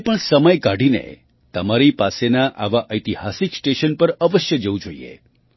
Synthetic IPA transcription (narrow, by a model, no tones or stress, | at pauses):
pəɳsəməjkaɽinḛ | t̪əmaɾipasenaʔaʋaʔəjt̪ihasiksʈeʃənpəɾəʋəʃjəd͡ʒəʋũd͡ʒoḭḛ